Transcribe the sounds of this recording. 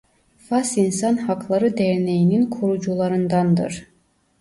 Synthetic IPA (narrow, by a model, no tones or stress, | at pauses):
fasinsanhaklˠaɾɯd̪ɛɾnejininkʰuɾud͡ʒulˠaɾɯnd̪ɑnd̪ɯ̰ɾ̥